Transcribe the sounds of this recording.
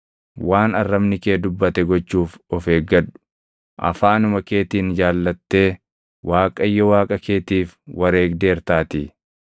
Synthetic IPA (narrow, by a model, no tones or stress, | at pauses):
waːnɐrːɐmnɪkeːd̪ʊbːɐt̪ɛɡɔt͡ʃːuːfɔfeːɡɐᶑʊ̥ | ʔɐ̰faːnʊmɐke̞ːt̪iːnd͡ʒaːlːɐt̪ːe̞ː | wʔaːkʼɐjːɔwaːkʼɐkeːt̪iːfwɐɾe̞ːɡd̪e̞ːɾt̪aːt̪iː